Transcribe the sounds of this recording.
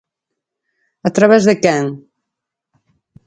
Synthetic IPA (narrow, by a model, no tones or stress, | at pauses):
at̪ɾaβɛzðekɛŋ